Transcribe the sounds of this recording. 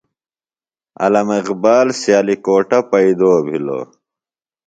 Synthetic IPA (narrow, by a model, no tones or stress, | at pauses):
ɐ̰lɐmiqbaːlsjaːlikoːʈɐpɐid̪oːbʱilo̰ː